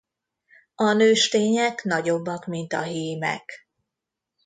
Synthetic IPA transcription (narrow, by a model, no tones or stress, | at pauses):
ɒnøːʃt̪eːɲɛkn̪ɒɟo̞bːɒkmint̪ɒɦeːmɛ̰k